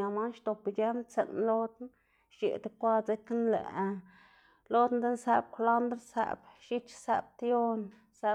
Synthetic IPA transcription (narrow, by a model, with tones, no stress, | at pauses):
a˨ma˦nʃt̪o˨pʲe˦mt͡sḛ˨nlo˦d̪n | ʃḛ˨d̪kʷa˦t͡se˦knlæ̰˨˧ | lo˦d̪nd̪e˦nsæ˧b̚kʷla˦nd̪ɾsæ̰˧˨bʃi˦t͡ʃsæ̰˧b̚t̪jo˦n | sæ˧